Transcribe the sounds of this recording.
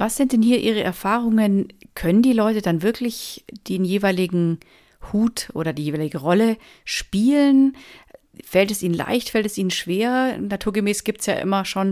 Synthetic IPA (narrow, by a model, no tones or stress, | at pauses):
vasz̥ɪnt̚d̥ɛnhiːɐʔiːʁəʔɛ̰ɐfaːʁ̞ʊŋənkʰœnəndiːlɔʏtədanvɪɐklɪçd̥eːnjeːvaɪlɪɡŋ̩ | huːtʔo̰ːɾɐdiːjeːvaːlɪɡəʁɔlə | ʃpiːlən | fɛltɛsʔiːnənla̰ɪçtfɛltɛsiːnənʃv̥eːɐnatʰuːɐɡəmɛːsɡ̥iːp̚tsja̰ːʔɪ̰mɐʃoːn